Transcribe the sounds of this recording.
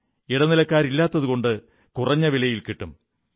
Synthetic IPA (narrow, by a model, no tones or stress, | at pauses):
iɽɐnilɐkːaːɾilːaːt̪ːɐðuɣo̞ɳɖɨ | kurɐɲːɐʋilɐjilkiʈːum